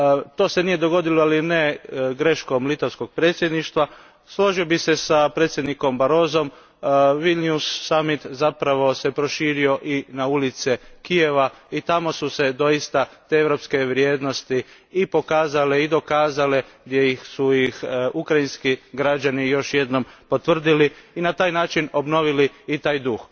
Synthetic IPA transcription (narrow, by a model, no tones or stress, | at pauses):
t̪o̞ːsenije̞d̪o̞ɡo̞d̪iloalineɡɾe̞ʃko̞mlit̪oʋsko̞ɡ̚pɾe̞ːt̪sje̞d̪niʃt̪ʋa | slo̞ʒiobise̞sapɾe̞t̪sʲje̞d̪niko̞mbaɾo̞ːzo̞m | ʋilnusːamit̪zapɾaʋo̞se̞pɾo̞ʃiːɾio̞ʔinaulit̪sikije̞ʋait̪amo̞suse̞d̪o̞jist̪at̪eeʋɾo̞pske̞ʋɾjed̪no̞st̪i | ipo̞kaːzaleid̪o̞kaːzaleɡd̪jejixsujixukɾainskiɡɾad͡ʒanijo̞ʃje̞d̪no̞mpo̞t̪ʋr̩d̪iliinat̪aːjnaːt͡ʃino̞bno̞ʋiliːt̪aːjd̪ux